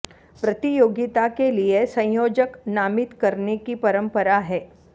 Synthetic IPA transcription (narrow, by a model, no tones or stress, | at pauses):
pɾɐt̪ijoːɡɪt̪akeliesɐ̃joːd͡ʒəknaːmɪt̪kɐɾnekipɐɾə̃mpəɾaɦɛː